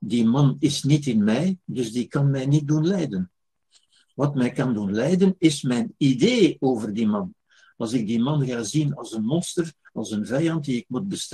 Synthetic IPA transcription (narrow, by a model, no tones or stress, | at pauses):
dimɑnɪsnitɪnmɛjdɵzdikɑnmɛjnit̚dunlɛjdən | ʋɑtmɛjkɑndunlɛjdənɪsmɛjnideːoːvərdimɑn | ɑlˠzɪɡ̚dimɑnɣaːzinɑlˠsənmɔnstər | ɑlˠsənvɛjɑnt̚diɪk̚mud̚bəst